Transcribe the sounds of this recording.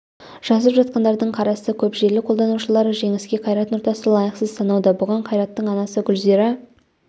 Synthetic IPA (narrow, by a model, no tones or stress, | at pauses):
ʒ̥ɑzəpʒɑt̪̚qɑnd̪ɑɾd̪əɴqʰɑɾɑsəkʲʰɵpʒe̞ɾlɪkqʰo̞lˠd̪ɑnuʃəlˠɑɾəʒe̞ŋɪskʲe̞qʰɑjɾɑt̪noɾt̪ɑsəlˠɑjəqsəzsʰɑnɑwd̪əbʊʁɑɴqʰɑjɾɑt̪ːəɴɑnɑsəɡʲʏlzeɾɪ